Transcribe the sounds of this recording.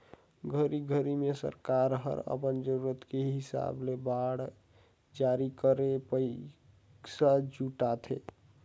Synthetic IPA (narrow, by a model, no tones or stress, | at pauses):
ɡʱəɾiɡʱəɾimesə̰ɾkaɾɦə̰ɾə̰pənd͡ʒəɾuɾət̪keɦɦɪsa̰blebaɽ | d͡ʒaɾikəɾepəɪ | ksad͡ʒuʈat̪ʰe